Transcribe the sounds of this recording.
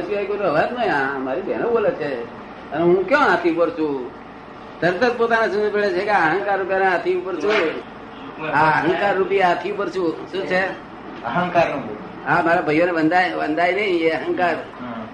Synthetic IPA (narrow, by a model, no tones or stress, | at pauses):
t͡ʃuajkonũəʋat̪nəɦĩãmaɾibʱenobolet͡ʃʰe | əneɦũkjõãt̪ʰiũpəɾt͡ʃʰũ | t̪əɾt̪əɾpot̪anesũpeɭet͡ʃʰekeəɦə̃ŋkaɾːup̬janeãt̪ʰiupəɾt͡ʃʰũ | aəɦə̃ŋkaɾːupjaat̪ʰiupəɾt͡ʃʰũʃũːt͡ʃʰe | əɦə̃ŋkaɾːup | ɦãmaɾabʱəjoneʋənd̪ajʋə̰̃nd̪ajnəĩeəɦə̃ŋkaɾ